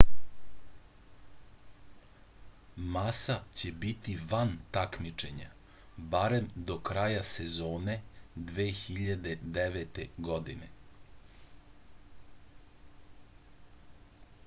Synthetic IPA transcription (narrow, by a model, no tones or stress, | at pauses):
masat͡ɕe̞bit̪iʋant̪akmit͡ʃe̞ɲa̰ | baɾemd̪o̞kɾajasezoːne̞d̪ʋeːxiʎad̪e̞d̪eʋet̪eɡod̪ine